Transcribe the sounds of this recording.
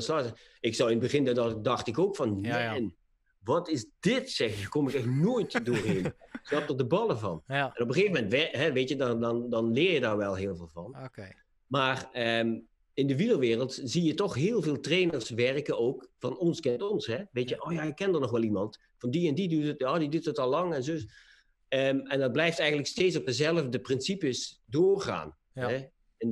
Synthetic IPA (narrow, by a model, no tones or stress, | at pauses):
sɔ | ɪksɔwɪnəbəɣɪnddɑxtɪkoːkfɑnjɛn | ʋɑtɪsdɪtsɛxjəkomɪkɛxnoːjtdoːrɦeːnsnɑp̚dərdəbɑlˠəvɑ̰nɛnɔpəχeːvəmɛntʋɛɦɛʋeːtjəddndɑnlɪːrjədaːrʋɛlˠɦɪːlˠvɪːlˠvɑn | maːrəm | ɪndəʋiləʋɪːrəlˠtzijətɔxɦɪːlˠveːlˠtreːnərsʋɛrkəoːkfɑnɔnskɛntɔnsɦɛʋeːtjəʔoːjajəkɛndərnɔχʋɛlˠimɑnt | fɑndiɛndidytətjaːdidytətɑlˠːɑŋɛnzo | əmɛndɑt̚blɛjftɛjɣən̩tləksteːtsɔp̚dəzɛlˠəvdəprɪnsipəsdoːrχa̰ːn | ɦɛ | ɛn